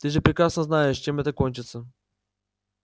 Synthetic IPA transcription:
t̪ɨʐɛpɾʲɪkɾasnəznaɛʂt͡ʃɛmɛt̪əkɔnʲt͡ʃɪt̪sə

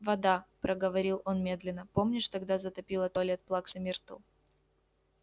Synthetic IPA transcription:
vɐd̪apɾʔəɡəvɐɾʲilˠo̞nmʲe̞d̪lʲɪnːəpo̞mnʲɪʂt̪ɐɡd̪azət̪ɐpʲilˠət̪olʲɛt̪̚plˠaksɐmʲirt̪ɨ̰lˠ

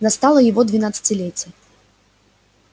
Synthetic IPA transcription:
nɐst̪alˠɐjɐvɔd̪vʲinat̪sɐ̥t͡sʲilʲɛt͡sʲːjɛ

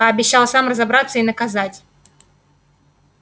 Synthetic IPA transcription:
əɐbʲɪɕːalˠsamrəzɐbɾat̪sːəinəkɐzatʲ

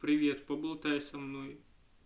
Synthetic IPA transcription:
pɾʲɪʋʲet̪pɔbʊlˠt̪ajsʲɐmnojʊ

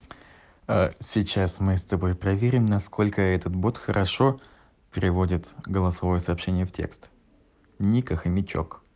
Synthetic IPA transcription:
asʲɪt͡ɕasmɨst̪ɐbo̞jpɾɐvʲeɾʲɪmnɐsko̞lʲkəɛt̪ət̪bo̞t̪xəɾʔɐʂo̞ | pʲɪɾʲɪvo̞dʲɪt̪ɡəlˠɐsɐvo̞jəsɐːpɕenʲɪjəftʲʰḛkst̪ | nʲikəxəmʲɪt͡ɕo̰k

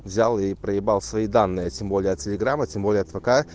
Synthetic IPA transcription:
vzʲalˠipɾəjɪbalˠsvɐid̪anːɨjətʲembolʲɪjəɐt̪̚tʲɪlʲɪɡɾamətʲembolʲɪjəɐt̪vɐka

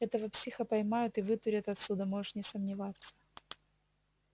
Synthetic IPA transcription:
ɛt̪əvəpsʲixəpɐjmajʊt̪ɨvɨt̪ʊɾʲət̪ɐt̪sʲud̪əmoʐɨʂnʲɪsəmnʲɪvat̪sːə̥

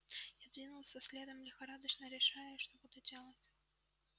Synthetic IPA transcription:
jad̪vʲinʊlˠsʲəsʲlʲed̪əmlʲɪxɐɾad̪ət͡ɕnəɾʲɪʂajʊʂt̪obud̪ʊdʲelˠətʲ

